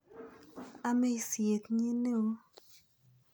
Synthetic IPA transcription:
a˦me˦˨sje˨t̪ɲi˦ne˦o˦

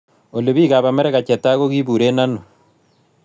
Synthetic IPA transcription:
o˨le˨βi˦ɣa˨βa˨me˦ɾe˦ɣa˨t͡ʃe˨ta˦ɣo˦ɣi˦βu˨ɾe˦na˦no˨

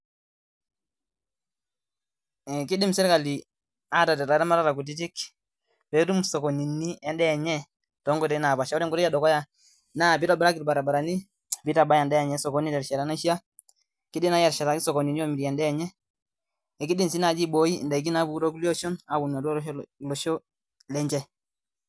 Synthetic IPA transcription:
ɛ˨ki˦di˦msɛ˦ɾka˨li˨ | a˦ta˨dɛ˨ɾa˨ɾa˦ma˦ɾa˦ɾa˨ku˨t̬i˦t̬i˦k | bɛ˨˦tu˦msɔ˨kɔ˨ni˨nːi˦ɛ˦ndɛ˦˨ɲɛ˦ | tɔ˨˦ŋɡɔ˨tɛ˦na˨pa˨ʃa˦ɾɛ˦ŋɡu˦ɾɛ˦a˦dɔ˨kɔ˦ja˦ | na˦˨bi˦ta˨bɛ˦ɾa˦ki˨ɾba˨ɾa˨ba˨ɾa˨ni˦ | bi˦ta˨ba˦ja˨ndɛ˦ɛ˨ɲɛ˦sɔ˨ko˨ni˦dɛ˨ɾʃɛ˨ɾa˨˦na˦ʃi˦a˦ | ki˦di˦na˨˦jɛ˨ɾʃɛ˨ɾa˨i˦sɔ˨ko˨ni˨ni˦o˦˨mi˨ɾɛ˨ndɛ˦˨ɲɛ˦ | ɛ˨ki˦di˦msi˦na˨d͡ʒi˦bo˨˦i˦˨ndɛ˨k̬i˦na˦bu˦ɾo˦ku˦li˦o˦ʃɔ˦na˨bu˨na˨dllɔ˨ʃɔ˦ | lɛ˦ɲd͡ʒɛ˦

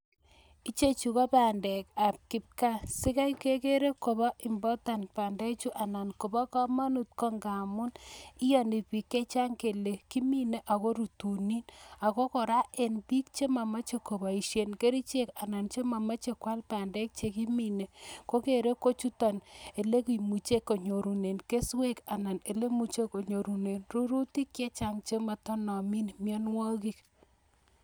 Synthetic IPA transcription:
i˦t͡ʃe˦t͡ʃu˨kɔ˦pa˨ndɛ˨ka˨p̚kɪ˨p̚ka˦sɪ˦ka˦jke˦ke˦ɾe˦ko˨bɔ˦ʔi˨mbɔ˦ta˨npa˨ndɛ˦t͡ʃu˦ʔa˨na˨nko˨bɔ˦ka˦ma˦nu˦t̚kɔ˦ŋɡa˨mʊ˦ni˦jɔ˨ni˨pi˨kːe˦t͡ʃa˦ŋke˨le˨ki˦mi˦˨ne˨ʔa˨ko˦ɾu˨tu˨ni˦na˨ko˦kɔ˨ɾa˦ʔe˨npi˦k̚t͡ʃe˦ma˨ma˦t͡ʃe˨ko˨ba˨i˨ʃe˨nke˦ɾi˦t͡ʃe˦ka˨na˨nt͡ʃe˦ma˨ma˦t͡ʃe˨kwa˦lpa˨ndɛ˦k̚t͡ʃe˦ki˦mi˦ne˨ko˦ke˨ɾe˦ko˦t͡ʃu˦ta˨ne˨le˦ki˨mu˨t͡ʃe˦kːo˨ɲo˨ɾu˨ne˨nke˦swe˦ka˨na˨ne˨le˦mu˨t͡ʃe˦ko˨ɲo˨ɾu˨ne˨nru˦ɾu˦ti˦kːje˦t͡ʃa˦ŋt͡ʃe˦ma˨tɔ˦nɔ˨mi˦nmjɔ˦nwa˦ki˦k

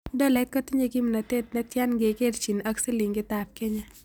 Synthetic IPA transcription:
dɔ˦lɛ˨t̚kɐ˦ti˦ɲe˦kɪ˦mna˨t̪e˦t̪̚nɛ˦tja˦nɡe˨ke˦dt͡ʃi˨na˦kse˦li˨ŋɡɪ˦t̪a˨p̚ke˦ɲa˦

